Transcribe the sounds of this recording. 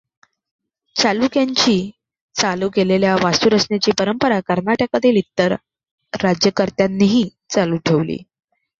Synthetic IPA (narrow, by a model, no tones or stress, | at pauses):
t͡salukjaɲt͡ɕiː | t͡saluːkeleljaʋasuɾəsɳjat͡ɕiːpəɾəmpəɾakəɾnaʈəkəd̪ʰʱilit̪ːəɾː | ad͡ʑjəkəɾt̪janːiɦiː | t͡saluːʈʰeʋlḭː